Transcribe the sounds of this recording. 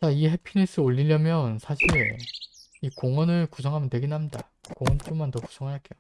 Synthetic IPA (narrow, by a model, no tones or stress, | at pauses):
t͡ɕaiɦepʰinis͈ɯoʎːiʎjʌmjʌnsʰaɕʰiɭ | ikoŋʌnɯɭkusʰʌŋɦamjʌntwe̞ɡinɦamda | koŋʌnt͡ɕ͈jumantʌku̥sʰʌŋɦaɾaɭk͈ejo